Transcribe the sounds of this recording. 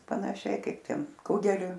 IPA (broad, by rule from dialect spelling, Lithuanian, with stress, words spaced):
pɐnɐˈʃʲɛɪ ˈkɐɪp ˈtʲɛn ˈkʊɡʲɛlʲʊ